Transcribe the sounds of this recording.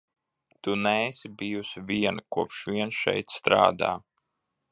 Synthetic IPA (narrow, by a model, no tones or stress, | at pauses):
t̪unɛesibijusivʲiɛnakuɔpʃviɛnʃɛ̰jt̪st̪ɾa̰ːd̪a̰ː